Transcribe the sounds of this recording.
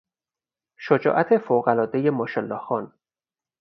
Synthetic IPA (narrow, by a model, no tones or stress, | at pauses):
ʃod͡ʒɒ̰ːʔæt̪ʰefoɣælɒːd̪e̞jemoʃelːɒːxɒːn